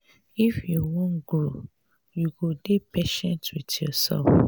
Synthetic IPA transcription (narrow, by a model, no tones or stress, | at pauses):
ifjuwõnɡɹo | juɡudepeʃɛ̃ntwidjɔsɛ̰lf